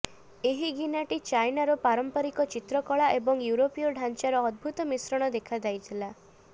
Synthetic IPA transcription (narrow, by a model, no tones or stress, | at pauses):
eɦiɡinaʈit͡ʃajnaɾɔpaɾɔmpɔɾikɔt͡ʃit̪ɾɔkɔɭaʔebɔŋjuɾopiɔɖʱant͡ʃaɾɔːd̪̚bʱut̪ɔmisɾɔɽ̃ɔd̪ekʰad͡ʒ̪ajt̪ʰila